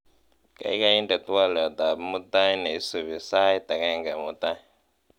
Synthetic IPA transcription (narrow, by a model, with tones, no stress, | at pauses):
ka̰˨i˦ka˦ji˦ndɛ˨t̪u˦wa˦lɛ˨d̪a˨bmu˦t̪a˦i˦ne˨i˦su˨βi˨sa˦i˦t̪a˨ka˦i˦˨ŋɡa˨mu˦t̪a˦